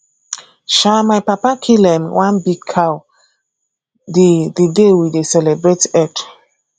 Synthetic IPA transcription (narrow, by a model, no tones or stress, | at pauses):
ʃamajpapakʰilɛ̃mwãnbiɡ̚kʰaw | dedidewidesɛlɛbɹetɛt